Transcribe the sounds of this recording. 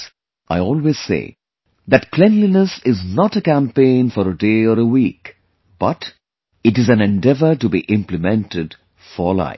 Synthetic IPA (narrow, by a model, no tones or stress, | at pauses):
ʔaɪɔːlwez̥sḛː | d̪æʈkʰlɛ̃nlinəsɪznɔʈəkæ̃mpẽɪ̃nfɔɾəɖeːɔɾəwiːk | b̥ʌʈ | ɨʈɨzæ̃nɛ̃nɖɛvəʈubḭʔɪ̃mplɨmɛ̃nʈɪɖ | fɔla̰ɪ